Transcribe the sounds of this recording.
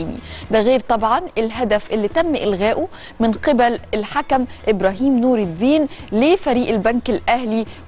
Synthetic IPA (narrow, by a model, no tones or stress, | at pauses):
nḭd̪æɣeːɾt̪ˤɑbʕɑnʔɪlɦad̪æfʔɪlːit̪æmːʔɪlɣæːʔʊ | mɪnqɪbælɪlħakæmʔɪbɾɑːɦiːmnuːɾɪd̪ːiːnlefæɾiːʔɪlbænkɪlʔæhli